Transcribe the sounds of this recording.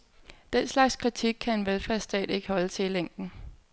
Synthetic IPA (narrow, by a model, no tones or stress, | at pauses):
d̥en̰slɑ̈ɡ̥skʰʁit͡sʰiɡ̥̚kʰæe̝nʋelfæɐ̰sd̥ɛ̰ːd̥e̝ɡ̥əhɒ̽lət͡sʰe̝ileŋ̰d̥n̩